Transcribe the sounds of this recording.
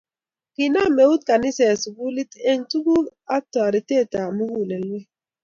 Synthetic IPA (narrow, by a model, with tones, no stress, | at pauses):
ki˨na˦˨me˨u˦t̚ka˨ni˦sɛ˨su˨ɡu˦li˦te˦ŋtu˦ku˦a˦tɔ˨a˨ɾi˨te˦˨ta˨mu˦ɡu˦˨le˨lwe˦